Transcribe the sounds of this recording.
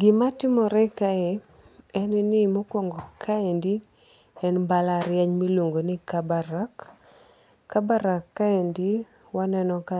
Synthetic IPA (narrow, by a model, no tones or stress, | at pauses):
ɡɪmatɪmɔɾɛkaɛ | ɛnɪnɪmokwɔŋɡɔkʰaendi | ɛnbalaɾjɛɲmilwoŋɡonɪkabaɾakː | abaɾakːaendi | wanɛnɔka